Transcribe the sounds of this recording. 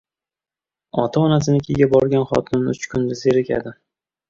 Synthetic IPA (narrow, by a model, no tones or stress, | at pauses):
ɒ̰t̪ʰaɒnas̬ɪnɪkʲʰɪɡʲabɒɾɡʲanχɒ̰t̪ʰʊnʊt͡ʃkʰʊnd̪azeɾɪkʲʰa̰d̪ɪ